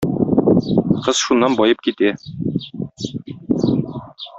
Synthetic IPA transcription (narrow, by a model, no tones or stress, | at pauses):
qɤz̥ʃunːɑnbɒjɤp̚kit̪æ